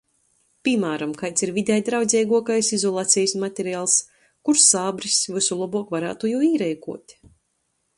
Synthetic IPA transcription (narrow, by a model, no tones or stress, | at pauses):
pʲimaːɾamkajt̪siɾvid̪ʲɛjd̪ɾawd̪zʲɛjɡuɔkajsizɔlˠaːt̪sʲɛjsmat̪ʲeɾiaːlˠs | kuɾsaːbɾisvɨsulˠɔbuɔkvaɾa̰ːt̪ujuːiːɾɛjkṵɔt̪ʲ